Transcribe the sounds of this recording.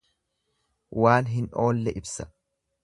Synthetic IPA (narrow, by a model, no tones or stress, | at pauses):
waːnɦɪno̞ːlːɛʔɪbsɐ̥